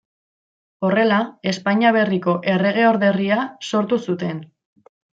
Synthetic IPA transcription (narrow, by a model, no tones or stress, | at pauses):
o̞re̞lae̞spaɲiaβ̞e̞riko̞ʔe̞re̞ɣ̞e̞o̞ɾðe̞riaso̞ɾt̪usut̪e̞n